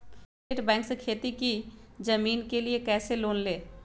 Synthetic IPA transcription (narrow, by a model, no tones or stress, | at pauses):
eʈbɛ̃ːŋksekʰeːt̪ikid͡ʒəmiːnkeliekɛːseloːnleː